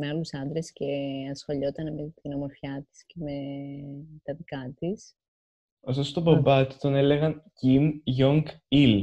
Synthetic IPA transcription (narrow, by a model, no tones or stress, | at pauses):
meɐlusɐnd̪ɾe̞sce̞ɐsxo̞ʎo̞t̪ɐnmet̪inɐmoɾfçɐt̪i̥sce̞me | t̪ɐðikɐt̪is | osost̪obɐbɐt̪i̥t̪o̞ne̞le̞ɣɐncimʝoŋɡ | il